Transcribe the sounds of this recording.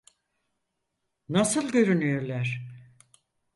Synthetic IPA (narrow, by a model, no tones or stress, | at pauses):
nasɯlˠɟø̞ɾynyjøɾlʲˠæɾ̥